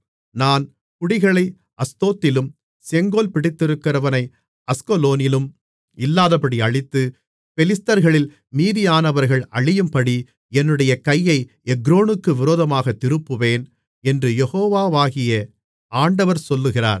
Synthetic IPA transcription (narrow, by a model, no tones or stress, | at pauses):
naːn | kʊɽɪɣɐɭɐɪ | ʔɐst̪oːt̪ːɪlɯm | sɛŋɡoːlpɪɽɪt̪ːɪɾɯkːɪrɐʋɐnɐɪ | ɐskɔloːnɪlɯm | ɪlːaːðɐpːɐɽiɐɻɪt̪ːɯ | fɛlɪst̪ɐɾɣɐɭɪl | miːðɪjaːnɐʋɐɾɣɐɭɐɻɪjɯmpɐɽi | ɛnːɯɽɐjɐkɐjːɐɪ | ɛɡɾoːɳɯkːɯʋɪɾoːðɐmaːɣɐt̪ːɪɾɯpːɯʋeːn | ɛndrɯjɛɣoːʋaːʋaːɣɪjɐ | aːɳɖɐʋɐɾsɔlːɯɣɪra̰ːɾ